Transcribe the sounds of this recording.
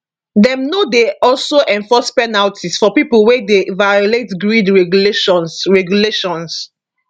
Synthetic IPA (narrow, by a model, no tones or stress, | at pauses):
dɛ̃mnodeɔlsoʔɛ̃ɱfɔspɛnaltʰisfɔpipəlwedevajoletɡɹidɹɛɡleʃɔ̃nsɹɛɡjuleʃɔ̃ns